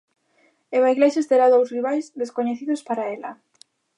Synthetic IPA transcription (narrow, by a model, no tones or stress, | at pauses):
eβaiɣleʃest̪eɾaðowsriβajzðeskoɲeθiðʊspaɾaelɐ